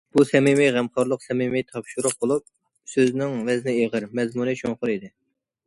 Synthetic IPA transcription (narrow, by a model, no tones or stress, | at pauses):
b̥usɛmimiʁæmχɑɾlˠəqsɛmimijt̪ʰɑpʃuɾʊχ̚bolˠup̚ | søznɪŋvɛznɪeʁəɾmɛzmunɨʃoŋχʊɾid̪ɪ